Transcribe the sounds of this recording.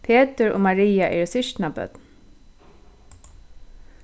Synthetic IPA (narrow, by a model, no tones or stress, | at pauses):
pʰeːt̪ɪɹo̰ːmaɹiːaʔɛːɹsɪʃt̪nabœ̰t̪n